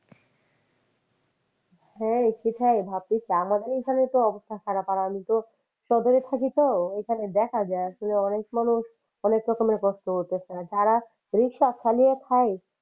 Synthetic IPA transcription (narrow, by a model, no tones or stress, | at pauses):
hɛ̃kit̪ʰajbʱab̚t̪it͡ɕʰeamad̪eɾikʰanet̪oɔbost̪ʰakʰanapaɾamit̪o | ʃɔd̪oɾet̪ʰakit̪oekʰaned̪ɛkʰad͡ʑaeaʃoleɔnekmanuʃ | ɔnek̚ɾɔkomeɾekɔst̪oɦoɾt̪esʰad͡ʑaɾa | bɾiʃat͡ɕʰaliet̪ʰaj